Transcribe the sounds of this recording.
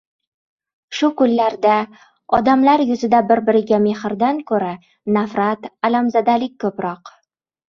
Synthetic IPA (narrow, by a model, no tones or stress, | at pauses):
ʃʊkʊlːaɾd̪a | ɒ̰d̪amlaɾjʊzɪd̪abɪɾbɪɾɪɡʲame̞hɾd̪ankʰɵɾa | nafɾat̪alamzad̪alɪk̚ʲkʰːɵpɾɒq